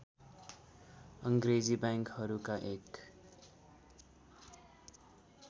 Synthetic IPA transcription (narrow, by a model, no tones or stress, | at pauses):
ʌŋɡɾed͡zibaŋkhʌɾukaʔek